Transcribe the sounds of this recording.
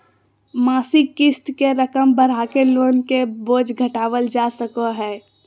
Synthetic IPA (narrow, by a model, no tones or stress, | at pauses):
maːsiɪst̪keɾəkəmbəɾ̤akeloːnkeboːd͡ʒɡʱəʈaːʋəld͡ʒasəkoɦɛː